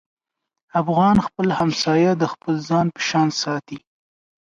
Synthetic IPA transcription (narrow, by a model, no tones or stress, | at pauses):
afɣɑnxpəlhamsɑjad̪əxpəlzɑnpə̥ʃɑnsɑt̪i